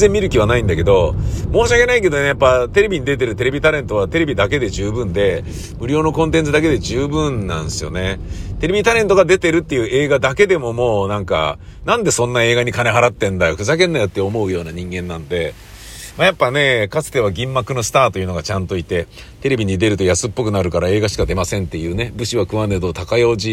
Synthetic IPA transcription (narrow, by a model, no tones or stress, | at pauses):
zẽ̞mːʲiɾɯ̟kʲiβ̞anaĩnd̪ake̞d̪o̞mo̞ːɕiake̞naike̞d̪o̞ne̞japːat̪e̞ɾe̞bʲiɲ̟id̪e̞t̪̬e̞ɾɯ̟t̪e̞ɾe̞bʲit̪aɾẽ̞nt̪o̞βat̪e̞ɾe̞bʲid̪ake̞d̪e̞ʑɨːbɯ̟̃nd̪e̞ | mɯ̟ɾʲo̞ːno̞kõnt̪̬ẽ̞nt͡sɨd̪ak̬e̞d̪e̞ʑɨːbɯ̟̃nnã̰ñsɨjo̞̰ne̞t̪e̞ɾe̞bʲit̪aɾẽ̞nt̪o̞ɡad̪e̞t̪e̞ɾɯ̟t̪ːe̞jɯ̟ʔe̞ːɡad̪ake̞d̪e̞mo̞mo̞ːnãŋka̰ | nãnd̪e̞sõnːae̞ːɡaɲ̟ikane̞ɦaɾat̪ːẽ̞nd̪ajokɯ̟zakẽ̞nːajo̞t̪ːeomo̞ɯ̟jo̞ːnaɲ̟ĩŋɡẽ̞nːãnod̪e̞ | majapːane̞kat͡sɨ̥t̪e̞βaɡʲĩmːakɯ̟no̞sɨ̥t̪aːt̪o̞jɯ̟no̞ɡat͡ɕãnt̪o̞it̪e̞ | t̪e̞ɾe̞bʲiɲ̟id̪e̞ɾɯ̟t̪o̞jasɨpːo̞k̬ɯ̟naɾɯ̟kaɾae̞ːɡaɕi̥kad̪e̞masẽ̞nt̪ːe̞jɯ̟ːnebɯ̟ɕiβakɯ̟βaned̪oːt̪akajo̞ːʑi